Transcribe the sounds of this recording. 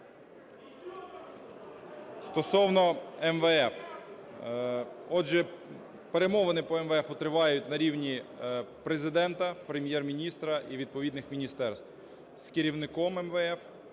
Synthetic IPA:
st̪ɔsɔwnɔɛmʋɛɛf | ɔdʒɛ | peɾemɔʋɐnɪpɔɛmʋɛɛfʊt̪ɾɪʋɑjʊtʲnɐɾʲiwnʲipɾezɪd̪ɛnt̪ɐpɾemʲjɛrmʲinʲist̪ɾɐʔiʋʲid̪̚pɔʋʲid̪nɪxmʲinʲist̪ɛrst̪w | skɪɾʲiwnɪkɔmɛmʋɛɛf

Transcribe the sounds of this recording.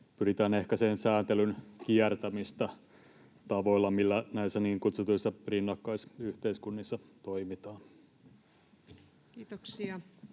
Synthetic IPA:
pyɾit̪æːne̞hkæseːnsæːnt̪elynk̟iært̪æmist̪æ | t̪ɑʋoilːɑmilːænæisːæniːŋkut̪sut̪uisːɑrinːɑkːɑisyht̪eiskunːisːɑt̪oimit̪ɑːn | iːoksiɑ

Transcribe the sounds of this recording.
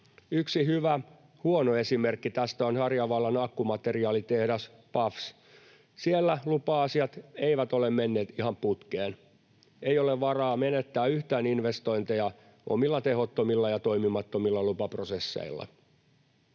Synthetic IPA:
yksihyʋæ | huonoesimerkːit̪æst̪æonhɑrjɑʋɑlːɑnɑkːumɑt̪eriɑːlit̪ehdæs | pɑfs | sielːælupɑːsiɑt̪eiʋæt̪olemmenːeːt̪ihɑmput̪keːn | eijoleʋʋɑrɑːmenet̪ːæːyht̪æːninʋest̪oint̪ejɑ | ʔo̰milːɑt̪ehot̪ːomilːɑjɑt̪o̞imimɑt̪ːomilːɑlupɑprosesːḛilːɑ̰

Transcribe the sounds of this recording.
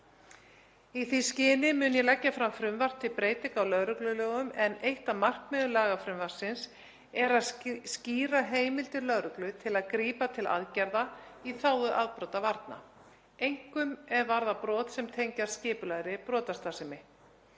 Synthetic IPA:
iθiscɪːnɪmʏːnjɛlacːafɾamfɾʏmvar̥t̪ʰɪpɾeːjt̪ɪkawlœɣɾʏklʏloːɣʏmɛnejht̪amar̥kmɛðʏlaːɣafɾʏmvar̥sɪns | ɛɾaðsciːɾaɦeːjmɪlt̪ɪlœɣɾʏklʏt̪ʰɪlaðkɾiːpat̪ʰɪlʔa̰ðcɛɾðaiθaːwʏʔaðpɾɔwt̪avaɾt̪na̰ | ejŋ̥kʏmɛðvaɾðapɾɔːt̪sɛmt̪ʰejɲcaɾ̥scɪːpʏlaɣɾɪpɾɔːt̪ast̪asɪmɪ

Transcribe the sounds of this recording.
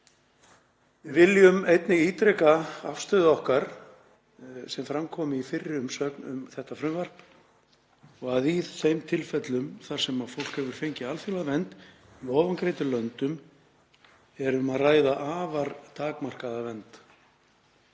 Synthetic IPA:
vɪvɪljʏmejt̪nɪɣiːt̪ɾɛkaafst̪ʏːðɔhkaɾ̥ | sɛmfɾamkʰɔːmɪifɪrːɪʏmsœknʏ̰mθɛht̪afɾʏmvɛr̥p | ɔɣaðiθejmt̪ʰɪlfɛt̪lʏmθaɾ̥sɛmafowl̥khɛvʏɾ̥fejɲcɪalfjɔlaðvɛnt̪ | iɔːvankɾejt̪ʏlœnt̪ʏm | ɛɾʏmaðraːjðaʔaːvaɾt̪ʰaːkmar̥kaðavɛnt̪

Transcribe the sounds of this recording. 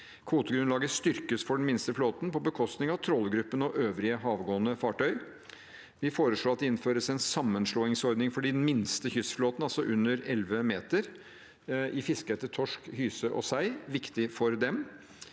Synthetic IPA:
kʰʋuːt̪əɡɾʉnlɑːɡəst̪ʏɾkəsfɔɖn̩mɪnst̪əfloːt̪n̩pɔbəkʰɔst̪nɪŋɑʋt̪ʰɾɔlːəɡɾʉpːənɔʔøːʋɾɪəɦɑːʋɡoːənəfɑːʈœʏ | ʋɪfoːɾəʂɭoːɑt̪̚d̪ɛɪnføːɾəsɛnsɑmːənʂɭoːɪŋsɔɾd̪nɪŋfɔɖiːd̪ɛnmɪnst̪əçʏsfloːt̪nɑlsɔʔʉnːəɾɛlʋəmeːt̪əɾ | ʔɪfɪskəɛt̪ːət̪ʰɔʂkhyːsəʔɔ̰sæɪʋɪkt̪ɪfɔɾd̪ɛm

